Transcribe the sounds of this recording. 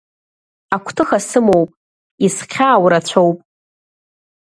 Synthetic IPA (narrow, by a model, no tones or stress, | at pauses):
akʷʰtʰɨxasɨmo̞wpʼ | isqʲʰaːwɾat͡ɕʷʰowpʼ